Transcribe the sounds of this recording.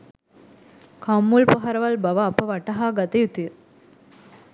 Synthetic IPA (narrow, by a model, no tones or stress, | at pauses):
kʰamːulpɐɦɐɾɐʋɐlbɐʋɐːpːɐʋɐʈːɐɦaːɡɐt̪ɐjut̪ːi